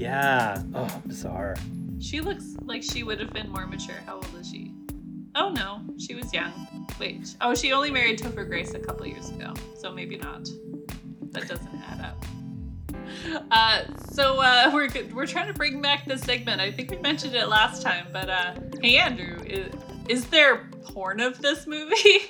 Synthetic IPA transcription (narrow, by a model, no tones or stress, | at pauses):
jæʔoʊaɪ̃msɑ̰ɹʃilʊkslaɪkʃiwʊɾɨvbɨ̃nmɔɹmɨt͡ʃʰʊ̰ɹhaʊwɛlˠəz̥ʃḭ | oʊnoʊʃiwʌzjʌ̃ŋwḛɪʔoʊʃiõʊ̃nlimɛɹid̚tʰɨfə˞ɡɹeɪsɨkʰʌpl̩ˠjɪ̰ɹzɨɡo̰ʊsoʊmeɪbinə̰t̚ | ðɨ̰t̚d̥ʌzɨ̃n̩tæ̰ɾʌ̰p̚ | ʌsoʊʌwɪɹɡɨwɪɹtʰɹ̥aɪɪ̃ŋtʰɨbɹɪ̃ŋbæk̚ðɨsɛɡ̚mɨ̃ntaɪθɪ̃ŋkwimɛ̃nʃɨ̃ndɪtˡlæstʰãɪ̃mb̥ʌɾʌæ̃ndɹʉɪz | ɪzðə˞ | bʰɔɹnʌvðɪsmʉvi